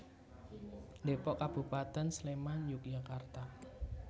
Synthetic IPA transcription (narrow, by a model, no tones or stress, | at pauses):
depɔʔkab̥ṳpat̪ɛnslemanjʊk̚jakart̪a